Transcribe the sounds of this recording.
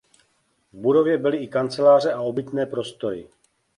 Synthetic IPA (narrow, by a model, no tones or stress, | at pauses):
vbudo̞vjɛbɪlɪɪkant͡sɛlaːr̝ɛao̞bɪt̪nɛːpɾo̞st̪o̞ɾɪ̰